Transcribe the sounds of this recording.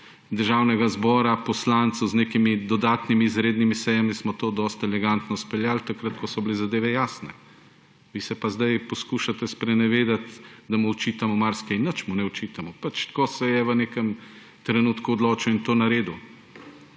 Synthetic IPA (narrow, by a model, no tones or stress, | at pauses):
d̪əɾʒawnɛɡazbɔːɾapɔslant̪sozneːkimid̪ɔd̪aːt̪nimiːzɾeːd̪nimisɛjamismɔt̪oːd̪ɔst̪ɛlɛɡant̪nɔspɛljaːlt̪akɾət̪kɔsɔblezad̪eːʋɛjaːsnɛ | ʋisɛpazd̪ajpɔskuːʃat̪ɛspɾɛnɛʋeːd̪at̪d̪amuːt͡ʃiːt̪amɔmaɾskɛinːət͡ʃmunɛɔt͡ʃiːt̪amɔpat͡ʃ̪kosɛjɛʋənekɛm | t̪ɾɛnuːt̪kuɔd̪loːt͡ʃɛint̪oːnaɾeːd̪u